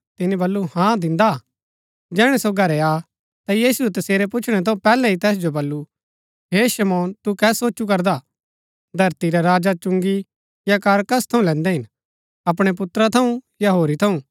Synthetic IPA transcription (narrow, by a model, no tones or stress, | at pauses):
t̪ɪnibɐlːuhãd̪ɪ̃nd̪a | d͡ʒɛːɽ̃ɛsoɡʱɐɾɛaː | t̪ajiːsuɛt̪ɐseːɾepʊt͡ʃʰɽ̃ɛt̪ʰɐ̃ũpɛːlɛɦit̪ɛːs̬d͡ʒobɐlːu | ɦeːʃɐmɔːnt̪ukɛːsoːt͡ʃuk̬ɐɾd̪a | d̪ʱɐɾt̪iɾɛɾaːd͡ʒat͡ʃʊ̃ŋɡi | jakaːɾkɐst̪ʰɐũlɛ̃ːnd̪ɛɦɪn | ɐpɽ̃ep̬ʊt̪ɾat̪ʰɐũjaɦoːɾit̪ʰɐũ